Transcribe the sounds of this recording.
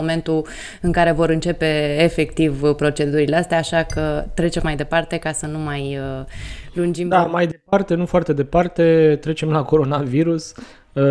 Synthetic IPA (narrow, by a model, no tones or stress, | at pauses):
ome̞nt̪u | ɨŋkaɾe̞vo̞ɾɨnt͡ʃe̞pe̞ːfe̞kt̪ivpɾo̞t͡ʃe̞d̪uɾileast̪eaːʃakət̪ɾe̞t͡ʃe̞mːajd̪e̞part̪e̞kasənumajəlund͡ʒimd̪amajd̪epart̪e̞nufoart̪e̞d̪e̞part̪e̞t̪ɾe̞t͡ʃe̞mlako̞ɾo̞naviɾus